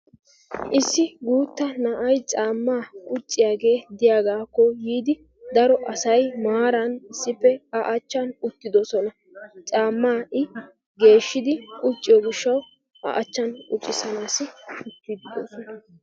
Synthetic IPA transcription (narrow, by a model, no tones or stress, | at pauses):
ʔɪsːɪɡuːt̪ːɐnɐʔɐjt͡sʼaːmːaːkʼʊt͡ʃʼːɪjaːɡe̞ːd̪ɪjaːɡaːkːɔjiːd̪ɪ | d̪ɐɾɔʔɐsɐjmaːɾɐnɪsːɪpːɛɐʔɐt͡ʃːɐnʊt̪ːɪd̪ɔsɔnɐ | t͡sʼaːmːaːʔɪ | ɡe̞ːʃːɪd̪ɪkʼʊt͡ʃʼːɪjɔɡɪʃːɐw | ɐ̰ʔɐt͡ʃːɐnʊt͡ʃʼːɪsɐnaːsɪʊt̪ːid̪ɪd̪o̰ːsɔnɐ